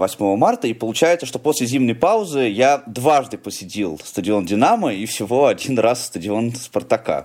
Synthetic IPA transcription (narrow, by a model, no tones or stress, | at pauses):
vɐsʲmo̞vəmart̪əipəlˠʊt͡ɕæjɪt̪səʂt̪opo̞sʲlʲɪzʲimnəjpaʊzɨjad̪vaʐd̪ɨpəsʲɪtʲilˠst̪ədʲɪo̞ndʲɪnaməifsʲɪvo̞ɐdʲinrasːt̪ədʲɪo̞nspərt̪ɐka̰